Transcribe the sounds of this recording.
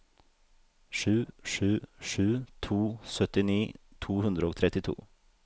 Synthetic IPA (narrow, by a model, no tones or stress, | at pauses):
ʂʉːʂʉːʂʉːt̪ʰuːsœt̪ɪniːt̪ʰuːhʉnd̪ɾəoːt̪ʰɾɛt̪ɪt̪ʰṵː